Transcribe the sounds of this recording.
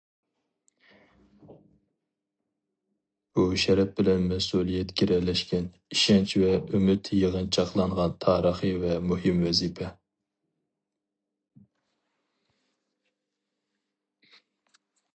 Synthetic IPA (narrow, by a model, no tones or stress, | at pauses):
b̥uʃɛɾɛp̚bɪlɛnmɛsulˠijɛt̪kʲiɾɛlɛʃkʲɛn | iʃɛnt͡ʃʰvɛymɪt̪ʰjəʁənt͡ʃʰɑqlˠɑɴʁɑnt̪ʰɑːɾəχivɛmuhɨmwɛzipʰɛ